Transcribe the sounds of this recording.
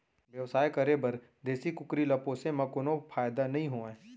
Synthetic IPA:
ʋjɐʋsaːjkɐɾebɐɾ | d̪eːsikʊkɾilɐpoːsemɐkʊnõpʰaːjd̪anɐɦĩɦoːẽː

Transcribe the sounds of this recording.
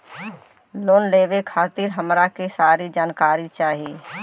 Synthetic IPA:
loːnleːʋekʰaːt̪ɪɾɦəmɾakesaːɾid͡ʒaːnkaːɾit͡ʃaːɦieː

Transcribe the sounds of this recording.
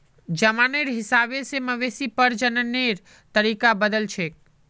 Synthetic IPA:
d͡ʒəmaneɾɦɪsabeseməʋesipəɾd͡ʒənəneɾ | t̪əɾikabəd̪əlt͡ʃʰe

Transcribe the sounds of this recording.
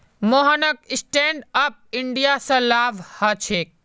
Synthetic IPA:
moɦənək̚ɪsʈẽːɳɖəp̚ɪɳɖijasɐ̃laːʋhɐt͡ʃʰeːk̚

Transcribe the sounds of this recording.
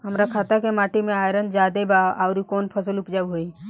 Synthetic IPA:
ɦəmɾakʰaːt̪akemaːʈimẽaːjɾə̃nd̪d͡ʒaːd̪ebaaʊɾikoːnpʰəsəlʊpd͡ʒaːuɦoi

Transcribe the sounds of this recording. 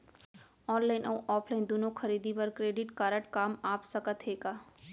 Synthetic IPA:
ɔːnlaːɪnʔɐwʔɔːpʰlaːɪnd̪oːnõxʰɐɾiːd̪ipɐɾkɾeːɖɪʈkaːɾəʈkaːmaːpsɐkət̪ɦeːɡaː

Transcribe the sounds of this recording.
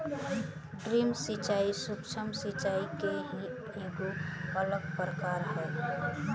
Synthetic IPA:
ɖɾimsit͡ʃaːisukt͡ʃʰəmsit͡ʃaːikeɦi | eɡuələkpɾəkaːɾɦɛː

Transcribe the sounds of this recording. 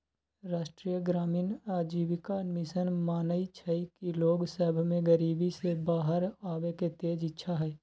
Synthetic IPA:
ɾaːʃʈɾiːjəɡɾaːmiːnaːd͡ʒiːbɪkamɪsənmaːnəit͡ʃʰəikiloːɡsəbʱmẽɡəɾiːbisebaːɦəɾaːweket̪eːd͡ʒɪtːʃʰaɦɛː

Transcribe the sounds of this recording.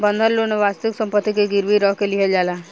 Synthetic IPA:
bɔnd̪ʱəlluneʋast̪iksɔmpət̪ːikeɡiɾbiɾɔkeliɦed͡ʒala

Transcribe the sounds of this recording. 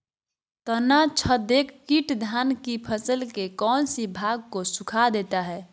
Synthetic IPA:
t̪ənat͡ʃʰəd̪ekʰːiʈd̪ʱankipʰəsəlkekɔːnsibʱaɡ̚kosukʰad̪et̪aɦɛ

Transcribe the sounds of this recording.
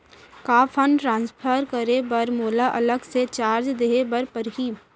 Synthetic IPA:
kaːpʰənʈɾãːnspʰəɾkəɾebɐɾmoːlaʔɐləɡset͡ʃaːɾd͡ʒd̪eːɦebɐɾpəɾɦiː

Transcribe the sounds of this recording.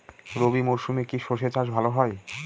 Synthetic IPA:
ɾobimoʃumekiʃoʃet͡ɕaʃbʱaloɦɔe

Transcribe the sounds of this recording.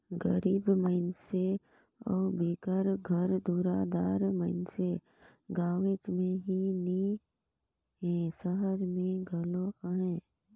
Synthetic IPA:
ɡəɾiːbməɪnse | ɔ̰ːɾbiːkəɾɡʱəɾd̪uːɾaːd̪aːɾməɪnse | ɡaːʋet͡ʃmẽɦini | ɦɛ̃ːsəɦəɾmẽɡʱəloaɦɛ̃

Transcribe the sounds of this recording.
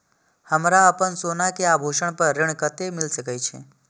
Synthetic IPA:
həmɾaəpənsonakeabʱoʃəɳpəɾːɪɳ̃kət̪emɪlsəkəjt͡ʃʰḛ

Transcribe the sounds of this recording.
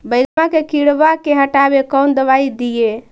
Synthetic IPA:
bəɪɡmãkekiɽbakeɦəʈabekəwnd̪əβaid̪ije

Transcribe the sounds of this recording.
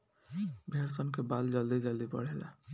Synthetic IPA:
bʱeɽsənkebald͡ʒʌld̪id͡ʒʌld̪ibʌ̰ɽ̤ela̰

